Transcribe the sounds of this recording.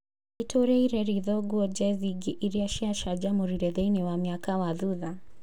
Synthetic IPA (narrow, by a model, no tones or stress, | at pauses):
itɔɾɛiɾɛɾiðɔɡɔd͡ʒɛziɡiʔiɾiaʃiaʃad͡ʒamuɾiɾɛðɛinɛwamiakawaðuða